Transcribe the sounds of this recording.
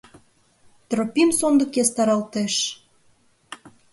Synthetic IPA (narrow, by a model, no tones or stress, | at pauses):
t̪ropʲimsond̪ə̆kest̪ɑɾɑlt̪eʃ